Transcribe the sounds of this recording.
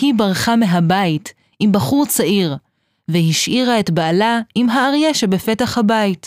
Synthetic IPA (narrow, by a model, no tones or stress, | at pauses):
hibaʁχameɦabait | imbaχuʁt͡saʔiʁ | veɦiʃʔiʁaetbaːlaimɦaːʁjeʃebefe̞taχhabait